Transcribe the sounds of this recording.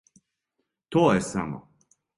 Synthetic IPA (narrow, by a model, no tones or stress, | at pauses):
t̪oːjɛsamɔ̰